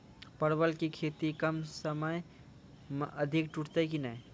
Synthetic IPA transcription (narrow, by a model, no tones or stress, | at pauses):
pəɾbəlkikʰeːt̪ikəmsəməj | məd̪ʱɪkʈuʈʰt̪ekinɐ̃